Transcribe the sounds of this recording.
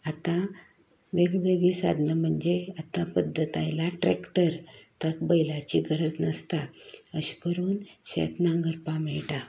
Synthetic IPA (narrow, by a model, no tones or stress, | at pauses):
at̪ã | ʋeɡʋeɡisa̰d̪ʱnəm̤əɳd͡ʑeat̪ãpəd̪ʱːət̪ajlaʈɾɛkʈəɾt̪əkbəjlat͡ɕiɡʱəɾət͡snəst̪a | əɕi̥kəɾuːn | ɕɛ̰t̪nãŋɡəɾpamɛɭʈa